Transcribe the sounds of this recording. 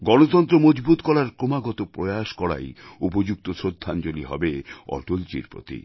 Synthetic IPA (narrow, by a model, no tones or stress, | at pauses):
ɡɔnot̪ɔnt̪ɾomod͡ʑbut̪kɔɽaɾkɾomaɡɔt̪opɾojaʃkɔɽa̰jupod͡ʑuk̚t̪osɾod̪ʱːand͡ʑoliɦɔ̰beɔ̰ʈolt͡ɕḭɾpɾo̰t̪ḭ